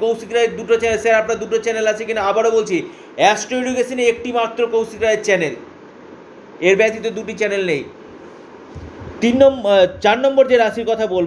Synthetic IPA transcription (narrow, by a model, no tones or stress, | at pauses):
kowsikɾaeɾd̪uʈot͡ɕɛnelsɛɾapnaɾd̪uʈot͡ɕɛnelat͡ɕʰekinaabaɾobolt͡ɕʰi | ɛsʈojɖukesineek̚ʈimat̪ːɾokowsikɾaeɾt͡ɕɛnel | eɾbɛt̪it̪ed̪uʈit͡ɕɛnelnej | t̪inːɔt͡ɕaɾnɔmboɾd͡ʑeɾaʃiɾkɔt̪ʰabolb